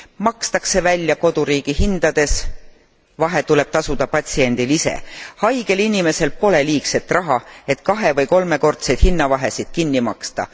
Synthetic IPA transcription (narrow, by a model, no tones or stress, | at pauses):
mɑkst̪ɑkse̞vælʲːjɑko̞d̪̥uɾiːɡ̥iɦind̪̥ɑd̪̥e̞s | vɑɦe̞t̪ule̞b̥̚t̪ɑsud̪̥ɑpɑt̪ʲsie̞nd̪̥ilise̞̰hɑjɡ̥e̞linime̞se̞lpo̞le̞liːkse̞t̪ːˑrʔɑɦɑe̞t̪kɑɦe̞vɤjko̞lme̞ko̞rt̪sejd̪̥hinːɑvɑɦe̞sid̪̥̚kinːimɑkst̪ɑ̰